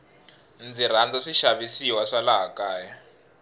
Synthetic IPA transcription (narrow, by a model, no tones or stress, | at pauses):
nd͡zir̤and͡zaʂiʃaβisiwaʂalaɦakaːja